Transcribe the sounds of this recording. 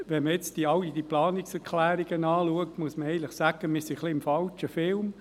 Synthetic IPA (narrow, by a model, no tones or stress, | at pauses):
ʋɛnməjɛt͡sd̥iɑlːidiplɑːnɪksɛɾkʰlæːɾiɡ̥ənɑːluəktmuəsməɛɪnlɪχsæɡ̥əmɪsiχliɪmfɑlt͡ʃəfɪlm